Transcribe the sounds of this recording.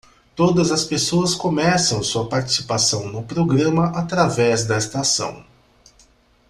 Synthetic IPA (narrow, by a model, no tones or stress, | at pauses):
t̪od̪ɐzɐspesoɐskomɛsɐ̃w̃suɐpaɾt͡ʃi̥si̥pasɐ̃w̃nʊpɾoɡɾɐ̃mɐʔat̪ɾavɛzd̪ɐest̪asɐ̰̃w̃